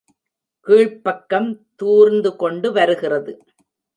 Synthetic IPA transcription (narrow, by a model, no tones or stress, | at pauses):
kiːɻpɐkːɐmt̪uːɾnd̪ɯkɔɳɖɯʋɐɾɯɣɪrɐðɯ